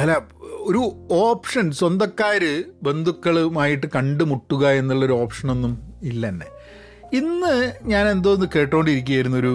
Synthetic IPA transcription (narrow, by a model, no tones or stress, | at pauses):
ɐlːao̞ɾuoːpʂɐnswɐnd̪ɐkːaːɾɨbe̞nd̪ʱukːɐɭumaːjiʈːɨkɐɳɖɨmuʈːuɣɐe̞nːuɭːo̞ɾuo̞ːpʂɐno̞nːumilːɐnːḛ | inːɨɲaːne̞nd̪oːnːɨke̞ːʈːoːɳɖiɾikʲːujɐjɾunːuo̞ɾu